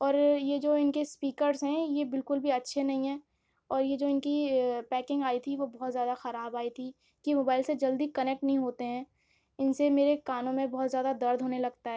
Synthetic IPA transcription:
ɔːɾjed͡ʒoːɪnkespiːkəɾzɦɛ̃jebɪlkʊlbʱiɐtːʃʰenɐɦĩɦɛ̃ː | ɔːɾjed͡ʒoːɪnkipɛːkɪ̃ŋɡaːit̪ʰiʋobɔɦt̪zjaːd̪axɐɾaːbaːit̪ʰi | kimoːbaːɪlsed͡ʒɐld̪ikɐnɛk̚ʈnɐɦĩɦoːt̪eɦɛ̃ː | ɪnsemeːɾekaːnõmẽbɔɦːt̪zjaːd̪ad̪ɐɾd̪ʱɦoːnelɐɡt̪aɦɛː

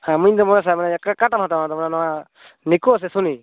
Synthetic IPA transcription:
amuɲd̪ɔmɔnas̬ajmanaakakaʈamɦat̪amnad̪ɔmɔnanɔwa | nikuas̬ɛsuni

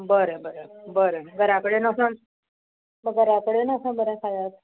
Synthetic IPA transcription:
bəɾebəɾebəɾeɡəɾakəɽenasã | məɡəɾakəɽenasãbəɾãkajat̪

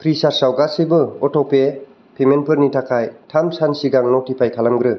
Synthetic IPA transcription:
kʰɾisaɾsawɡasibɯɔtɔpe | pʰemenpʰɯɾnitʰakʰajtʰamsansiɡaŋnotipʰajkʰalamɡɾɯ

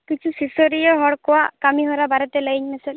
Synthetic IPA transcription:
kit͡ʃʰusisɔɾijɔɦɔɽkɔwakamiɦɔɾabaɾɔt̪ɛlaiɲmɛsɛl

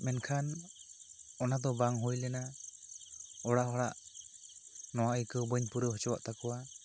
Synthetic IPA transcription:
mɛnkʰan | ɔnad̪ɔbaŋɦujlɛna | ɔɽaʔhɔɽaʔ | nɔwaʔəjkəbəɲpuɾəɦɔt͡ʃɔwa̰ʔt̪akɔwa

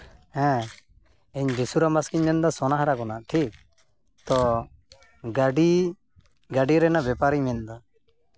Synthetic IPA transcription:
hɛ̃ | ɛɲd͡ʒisuɾamaskiɲmɛnd̪asɔnaɦɾakɔnaʈʰik̚ | t̪ɔ | ɡaɖi | ɡaɖiɾɛnabɛpaɾiɲmɛnd̪a

